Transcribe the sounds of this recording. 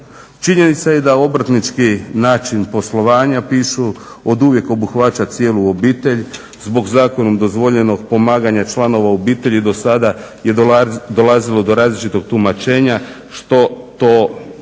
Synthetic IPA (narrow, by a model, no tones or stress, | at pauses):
t͡ʃiɲe̞nit̪saje̞d̪ao̞bɾ̩ət̪nit͡ʃkinaːt͡ʃinpo̞slo̞ʋaːɲapiːʃu | od̪uʋje̞ko̞buxʋat͡ʃat̪sije̞ːluobiːt̪e̞ʎ | zbo̞ɡzaːko̞nomd̪o̞zʋo̞ʎe̞no̞ɡ̚po̞maːɡaɲat͡ʃlˠano̞ʋaobiːt̪e̞ʎid̪o̞sad̪aje̞d̪o̞lazilˠo̞d̪o̞ɾaːzlit͡ʃit̪o̞ɡ̚t̪umat͡ʃe̞ːɲa | ʃt̪o̞t̪o̞